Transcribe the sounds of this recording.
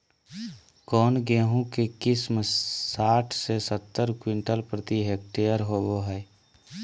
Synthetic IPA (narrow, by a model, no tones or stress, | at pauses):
kɔːnɡeːɦũkekɪsmsaːʈʰsesət̪ːəɾkwɪ̃ɳʈəlpɾət̪iɦek̚ʈeːjəɾɦoboɦɛː